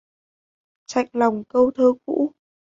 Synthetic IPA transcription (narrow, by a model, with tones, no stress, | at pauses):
t͡ɕa̰˧˨jŋ̟la˨˩wŋ͡mkə˧wt̪ʰəː˧kṵ˧˥